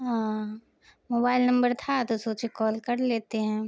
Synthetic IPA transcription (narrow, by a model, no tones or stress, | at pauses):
ɦã | moːbaːɪlnɐ̃mbəɾt̪ʰat̪osoːt͡ʃekɔːlkɐɾleːt̪eɦɛ̃ː